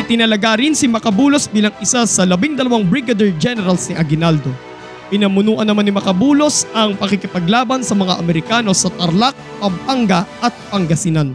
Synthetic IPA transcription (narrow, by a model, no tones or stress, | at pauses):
ɪt̪ɪnɐlɐɡaɾɪnsɪmɐkɐbuːlosbiːlɐŋɪsasɐlɐbɪŋd̪ɐlɐwaŋbɹɪɡɐd̪ɛɹd͡ʒɛnɛɾɐlsnɪʔɐɡɪnald̪o̞ | pɪnɐmʊnuːʔɐnːɐmanːɪmɐkɐbuːlo̞sɐŋpɐkɪkɪpɐɡlaːbɐnsɐmɐŋaʔɐmɛɾɪkaːno̞sɐt̪ɐɾlak̚pɐmpaŋɡɐʔɐt̪̚pɐŋɡɐsinan